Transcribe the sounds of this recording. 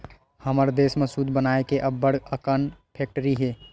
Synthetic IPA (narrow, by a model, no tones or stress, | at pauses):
həməɾd̪eːsmesud̪ʱbənaːekeʔəbːəɽəkənpʰek̚ʈəɾiɦe